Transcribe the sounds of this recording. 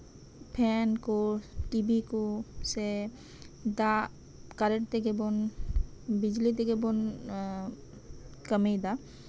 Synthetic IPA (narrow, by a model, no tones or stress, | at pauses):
pʰɛnkoʈibikose | d̪a | kaɾeʈt̪ekebon | bid͡ʑlit̪̬ekebon | kəmejd̪a